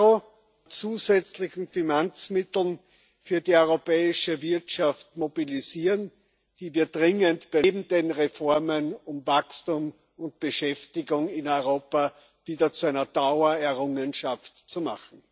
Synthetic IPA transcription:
o | t͡suːzɛt͡slɪçn̩fɪnant͡smɪtl̩n | fyːɐdiːɔʏʁopɛːɪʃəvɪɐtʃaftmobiliziːən | d̥iːviːɐdʁɪŋəntb̥ɪbm̩denʁefɔɐmənʊmvakstuːm | ʊnt̚b̥əʃɛftɪɡʊŋɪnɔʏʁoːpa | viːdɐt͡suæɪnɐd̥aʊɐɛɐʁʊŋənʃaftt͡suma̰χn̩

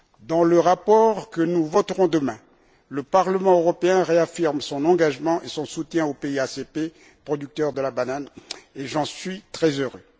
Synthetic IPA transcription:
d̪ɑ̃ləʁapɔʁkənuvɔt̪ʁɔ̃d̪əmɛ̃ | ləpaʁləmɑ̃øʁɔpeɛ̃ʁeafiʁmsɔ̃nɑ̃ɡaʒmɑ̃ʔesɔ̃sut̪jɛ̃opeiasepe | pχɔd̪yk̚t̪œʁd̪əlabananeʒɑ̃sɥit̪χɛzøʁø

